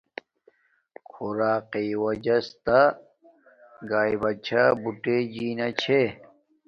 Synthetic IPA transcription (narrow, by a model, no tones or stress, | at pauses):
kʰuɾaːqiwɐd͡ʑɐst̪a | ɡaːibɐt͡ɕʰabuʈed͡ʑiːnat͡ɕʰe